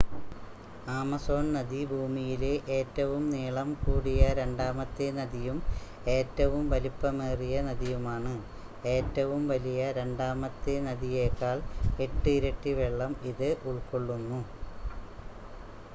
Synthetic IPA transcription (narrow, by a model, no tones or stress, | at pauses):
aːmɐso̞ːɳnɐðibʱuːmijileʔe̞ːtːɐʋumniːɭɐmkuːɽijɐɾe̞ɳɖaːmɐt̪ːenɐðijum | e̞ːtːɐʋumʋɐlipːɐmeːrijɐnɐðijumaːɳɨ | e̞ːtːɐʋumʋɐlijɐɾe̞ɳɖaːmɐt̪ːenɐðijeːkːaːɭe̞ʈːɨiɾɐʈːiʋeɭːɐmiðɨʔuɭkoɭːunːu